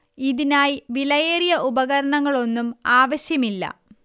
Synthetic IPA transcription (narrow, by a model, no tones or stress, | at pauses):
iðinaːjʋilɐjeːrijɐʔubɐɣɐɾɐɳɐŋːɐɭo̞nːumaːʋɐɕjɐmilːɐ̰